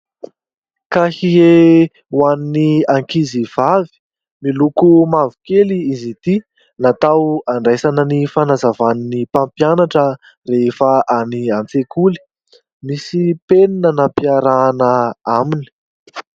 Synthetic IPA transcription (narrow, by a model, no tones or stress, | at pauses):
kahie | waniniaŋkiziv̥avi̥ | milukumavu̥keliizit̪i | nat̪awaɳɖ͡ʐajsanənifanazavaninipampianaʈ͡ʂə | refəʔaniant͡sekuli̥ | misipeninənampiaɾaːnəamini̥